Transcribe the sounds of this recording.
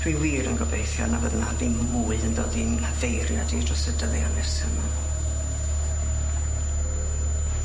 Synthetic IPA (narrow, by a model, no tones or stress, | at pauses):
wiwiːɾənɡɔbejθjɔ̰navəðnadinwuːənðoːdinavejɾja̰diːdrɔsədəlˠjanɛsənan